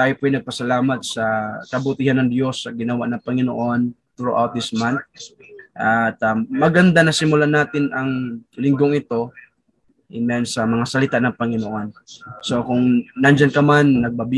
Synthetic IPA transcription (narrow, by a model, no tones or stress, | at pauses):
t̪aːjopʊajnɐɡ̚pɐsɐlaːmɐt̪̚sɐkɐbʊt̪ihanːɐŋd̪jo̞sːɐɡɪnɐwaʔnɐŋpɐŋɪno̰ʔo̞nt̪ɾuʔawt̪̚d̪ɪsman̚ | ʔɐt̪ɐmɐɡɐnd̪anɐsɪmʊlanaːt̪ɪnɐŋlɪŋɡoŋɪt̪o̞ | ʔɪmɛnsɐmɐŋasɐlɪt̪anɐŋpɐŋɪnoʔo̞nso̞kʊŋnɐnd͡ʒɐnkɐmanːɐɡ̚bɐb